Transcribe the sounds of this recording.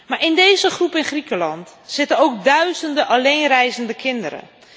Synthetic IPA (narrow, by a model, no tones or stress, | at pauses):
maɹʔɪndejzəχrupɪnχrikəlɑntsɪtəowk̚dœɥzəndəʔalejnrɛjzəndəkʰɪndəɾə̰